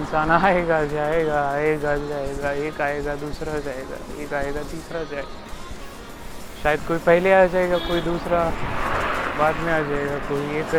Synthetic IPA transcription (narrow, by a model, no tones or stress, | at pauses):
ɪnsaːnaːeːɡad͡ʒaːeɡaeːɡad͡ʒaːeːɡaeːkaːeːɡad̪uːsɾad͡ʒaːeːɡa̰ḛːkaːeːɡat̪iːsɾad͡ʒaːeɡa | ʃaːjəd̪̚koːipɐɦlead͡ʒaːɦeɡakoːid̪uːsɾa | baːt̪mẽaːd͡ʒaːeɡakoːieːk